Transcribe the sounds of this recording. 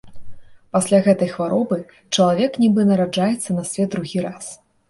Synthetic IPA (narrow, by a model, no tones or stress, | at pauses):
pasʲlʲaɣɛt̪ɐjxvaɾɔbɨ | t͡ʂɐlˠavʲɛknʲibɨnɐɾad͡ʐajɛt̪sːɐnɐsʲvʲɛt̪ːɾuɣʲiɾas